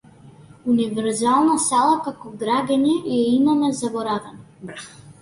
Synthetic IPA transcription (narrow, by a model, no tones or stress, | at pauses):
univɛɾzalˠnasalˠakakɔɡɾaɡɛɲɛjɛimamɛzabɔɾavɛnɔ